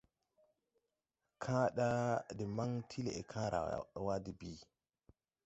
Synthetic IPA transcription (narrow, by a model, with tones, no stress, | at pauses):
kʰaː˦ɗa˦dɛ˨ma˦ŋtʰi˦lɛ̰ɛ˨kʰaː˦ɾʔa̰ɗɔ˨wa˦di˨biː˦